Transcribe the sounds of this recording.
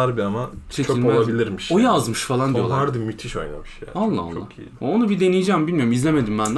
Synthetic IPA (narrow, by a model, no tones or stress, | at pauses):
aɾbiamat͡ʃʰet͡ʃcʰøiollˠabilʲiɾmiʃojazmɯʃfalˠand̪ijolˠaɾd̪ɯmyt̪ʰiʃo̞̰jna̰mɯʃja̰ːalˠːa̰a̰oːa̰kḭionubid̪e̞nijid͡ʒɛːmbilʲmijoumizlʲeme̞d̪imbænd̪